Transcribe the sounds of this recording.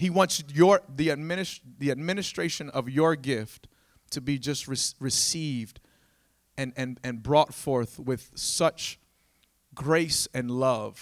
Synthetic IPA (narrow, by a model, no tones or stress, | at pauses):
hiwɑ̃ntsjə˞ðiɨd̚mɪ̃nɨsðiɨd̚mɪ̃nɨstɹ̥eɪʃɨ̃nʌvjə˞ɡɪftʰ | ɨbid͡ʒʌst̚ɹɨsɹɨsivd | ɨ̃nɨ̃nɨ̃nbɹɔtfɔɹθwɪð̥sʌt͡ʃ | ɡɹeɪsɨ̃nlʌv̥